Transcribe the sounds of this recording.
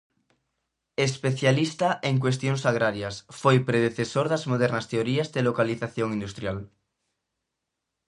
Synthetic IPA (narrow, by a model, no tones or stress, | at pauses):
espeθjalist̪aʔeŋk̬west̪joŋsaɣ̞ɾaɾjasfojpɾeð̞eθesoɾðazmoð̞eɾnast̪eoɾiazðelokaliθaθjoŋĩnd̪ust̪ɾjal